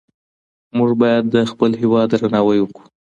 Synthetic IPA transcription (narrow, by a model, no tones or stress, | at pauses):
muʐbɑjad̪ːəxpəlɦɪwɑd̪ɾanɑwajwəku̥